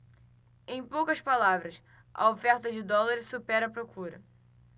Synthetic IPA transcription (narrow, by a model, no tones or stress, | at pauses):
ẽj̃powkɐspalavɾɐs | ʔɐ̰ofɛɾt̪ɐd͡ʒɪd̪ɔlaɾɪssupɛɾɐpɾokuɾɐ̰